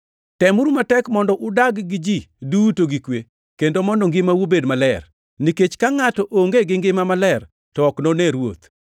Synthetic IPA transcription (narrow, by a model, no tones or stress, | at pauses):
tɛmuɾumatɛkmɔndɔʔʊdaɡɡɪd͡ʒidutoɡikwe | kendomɔndɔŋɡɪmawubedmalɛr | niket͡ʃkaŋatɔʔoŋɡeɡɪŋɡɪmamalɛr | tɔːknonɛɾwo̰t̪